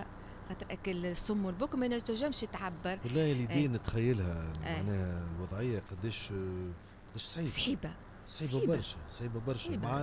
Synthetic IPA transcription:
xɑːt̪əɾʔækɪlsːʊmːwɪlbʊkmænæt̪æʒæmʃjɪt̪ʕabːɑɾˤwælːælid̪iːnt̪xæjːəlhæaʕnɛːhælwɑd̪ˤʕɪjːaqɑd̪ːeːʃ | qɑd̪æːʃsˤħiːsˤħiːba | sˤħiːbabɑɾˤʃæsˤħiːbabɑɾˤʃmʕaː

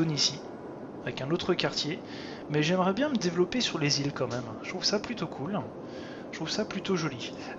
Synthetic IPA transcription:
onisi | avɛkɛ̃not̪χəkaʁt̪je | mɛʒɛmʁɛbjɛ̃məd̪evlɔpesyʁlezilkɑ̃mɛmʒt̪χuvsaplyt̪okʰul | t̪χuv̥saplyt̪oʒɔli

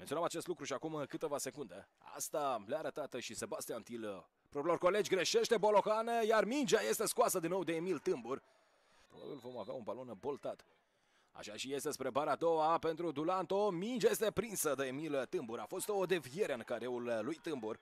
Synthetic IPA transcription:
menioamat͡ʃest̪lukɾuʃiakumkɨt̪evase̞kund̪e | a̰st̪aleaːɾət̪at̪ʃise̞bast̪iant̪il | pɾopɾilo̞rko̞le̞d͡ʒʲɡɾe̞ʃe̞ʃt̪e̞bo̞lo̞xanejarmind͡ʒaje̞st̪e̞skwasəd̪inːowd̪e̞ːmilt̪ɨmbur | pɾo̞ba̰bilvo̞mavea̰unbalo̞nbo̞lt̪at̪ | a̰ʃaʃije̞st̪espɾe̞baɾaːd̪o̞wape̞nt̪ɾud̪ulant̪o̞mind͡ʒajest̪e̞pɾinsəd̪eemilt̪ɨmbuɾafo̞st̪o̞ːd̪evieɾeɨnkaɾeulːujt̪ɨmbur

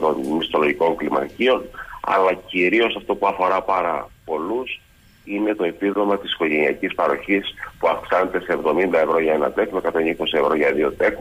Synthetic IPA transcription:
t̪o̞nmist̪o̞lo̞ʝiko̞ŋklimɐ̰cio̞nɐ̰lɐciɾio̞sɐft̪o̞puɐfo̞ɾɐpɐɾɐpo̞lus | ine̞t̪o̞epiðo̞mɐt̪i̥si̥ko̞ʝe̞niɐcispɐɾo̞çispuɐfksɐnet̪e̞seːvðo̞mind̪ɐe̞vɾo̞ʝɐe̞nɐ̰t̪e̞xnokɐt̪oniko̞sie̞vɾo̞ʝɐðio̞t̪e̞xn

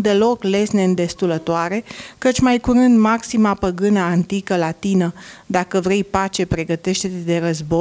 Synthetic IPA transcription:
d̪e̞lo̞kle̞snend̪e̞st̪ulət̪oaɾe̞kət͡ʃʲmajkuɾɨnd̪maksimapəɡɨnaːnt̪ikəlat̪inəd̪akəvɾe̞jpat͡ʃe̞pɾe̞ɡət̪e̞ʃt̪et̪d̪e̞ɾəzbo

